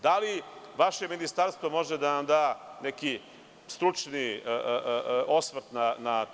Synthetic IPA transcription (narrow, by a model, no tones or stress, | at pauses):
d̪aliʋaʃe̞minist̪aɾst̪ʋo̞mo̞ʒed̪anamd̪aːneki | st̪ɾut͡ʂniə | o̞smɾ̩t̪nana